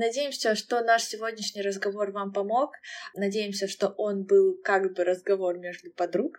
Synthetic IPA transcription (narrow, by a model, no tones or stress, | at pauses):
nɐdʲejɪmsʲəʂt̪o̞naʂsʲɪvodʲnʲɪʂnʲɪjɾəzɡɐvo̞rvampɐmo̞knɐdʲejɪmsʲəʂt̪o̞ʔo̞nbɨlˠkaɡbɨɾəzɡɐvo̞rmʲeʐd̪ʊpɐd̪ɾuk